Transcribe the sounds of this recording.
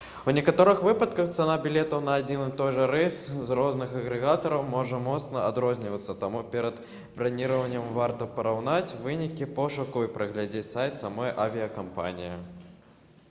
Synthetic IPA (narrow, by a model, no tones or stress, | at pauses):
unʲɛkat̪ɔɾɨxvɨpɐt̪kɐxt̪sɐnabʲilʲɛt̪ɐwnɐːd͡zʲinɨt̪ɔjʐɐɾɛszrɔznɨxɐɣɾɛɣat̪ɐɾɐwmɔʐɐmɔt̪snɐad̪ɾɔzʲnʲivɐt̪sːɐt̪amupʲɛɾɐd̪ | bɾanʲiɾɐvɐnʲːɐmvart̪ɐpɐɾawnat͡sʲvɨnʲikʲipɔʂukuipɾɐɣlʲad͡zʲet͡sʲsajt̪samɔjʔavʲijɐkampa̰nʲijɐ